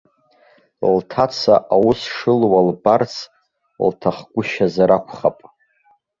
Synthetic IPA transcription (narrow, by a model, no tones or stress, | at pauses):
ltʰat͡sʰaʔawʊsʂɨlwalbart͡sʰ | ltʰaχɡʷʊʃazaɾakʷʰχapʼ